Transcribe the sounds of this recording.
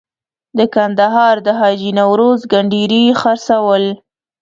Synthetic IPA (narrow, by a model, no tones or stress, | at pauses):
d̪əkand̪aɦɑɾd̪əɦɑd͡ʒinawɾozɡaɳɖiɾixaɾsawəl